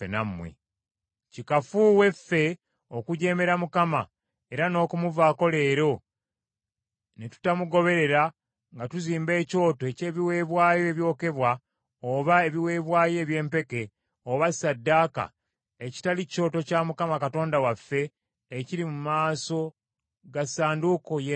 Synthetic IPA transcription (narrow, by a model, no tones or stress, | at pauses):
enamːwḛ | cikafuwe̞fːe̞ | o̞kuɟe̞ːme̞ɾamukama | e̞ɾano̞ːkumuvaːko̞le̞ːɾo̞ | netu̥tamuɡo̞βe̞ɾe̞ɾa | ŋɡatuziːmbe̞ːco̞ːtoece̞ːβiwe̞ːβwaːjoeβjo̞ːke̞βwa | oβae̞βiwe̞ːβwaːje̞ːβje̞ːmpe̞ke̞ | oβasadːaːka̰ | eci̥talio̞ːto̞camukamakato̞ːndawafːe̞ː | ciɾimumaːso̞ | ɡasaːnduko̞j